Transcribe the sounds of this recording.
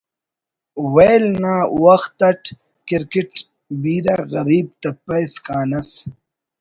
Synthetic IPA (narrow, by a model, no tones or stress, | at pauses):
wejlnaːwɐxt̪ɐʈ | kiɾkiʈ | biːɾaɣɐɾiːb̚t̪ɐpɐjskaːnɐs